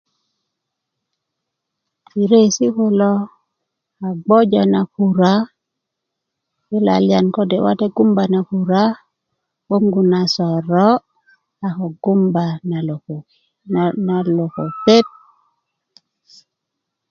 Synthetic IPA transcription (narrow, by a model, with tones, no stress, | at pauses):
i˨ɾe˦si˦ku˦lo˦ | a˨ɡ͡bo˦d͡ʒa˨na˨ku˨ɾa˦ | ki˦la̰˨lija˨nko˦de˨wa̰˦te˦ɡu˦mba˨na˨ku˨ɾa˦ | ɓo˦ŋɡu˨na˨sɔ˨ɾɔ˦ | a˨ko˨ɡu˦mba˨na˨lo˨ko˨ki˨ | na˨lo˨ko˨pe˦t̚